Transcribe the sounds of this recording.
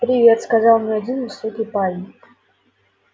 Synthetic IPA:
pɾʲɪvʲet̪skazaw̪ˠmnʲɛad͡zʲinvɨsɔkʲipalʲnʲɪk

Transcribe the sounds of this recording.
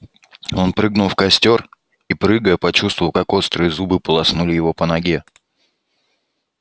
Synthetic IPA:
o̞npɾɨɡnʊlˠfkɐsʲtʲo̞r | ipɾɨɡəjəpɐt͡ɕust̪vəvəlˠkako̞st̪ɾɨɪzubɨpəlˠɐsnulʲɪjɪvo̞pənɐɡʲe

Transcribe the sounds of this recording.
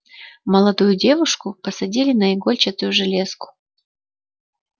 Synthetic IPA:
məlˠɐd̪ujʊdʲe̞vʊʂkʊpəsɐdʲilʲɪnɐɪɡo̞lʲt͡ɕɪt̪ʊjʊʐɨlʲeskʊ̥

